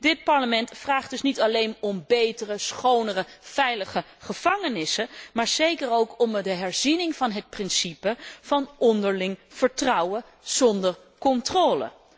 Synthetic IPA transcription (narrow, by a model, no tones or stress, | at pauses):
dɪt̚pɑɹləmɛntfraːχdɵsnitɑlejnɔmbejtərəsχownərəv̥ɛjləχə | χəv̥ɑŋənɪsəmaːɹz̥ejkərowkɔmdəɦɛɹzinɪŋv̥ɑnɦət̚prɪnsipəv̥ɑnɔndəɹlɪŋv̥əɹtrɑwə | z̥ɔndəɹ | kɔntroːlə̰